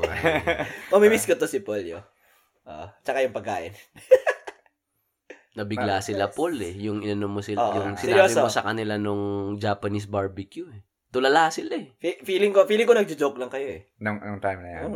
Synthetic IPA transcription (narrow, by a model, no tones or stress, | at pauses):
mɐmimiskot̪osɪpoljo̰ | ʔo̰ʔt͡ʃɐkajʊŋpɐɡ̚ka̰ːʔɪn | nɐbɪɡlasɪlapolɛjʊŋʔɪnɐnomːosɪoʔjʊŋsɪnajobɪmosɐkɐnɪlanoŋd͡ʒaːpɐnisbaɹbɪkjuɛ | t̪ʊlɐlahsɪlaɛfifiːlɪŋkofiːlɪŋkonɐɡ̚d͡ʒʊd͡ʒok̚lɐŋkɐjoʔɛ | nʊŋʊŋt̪ajmnɐja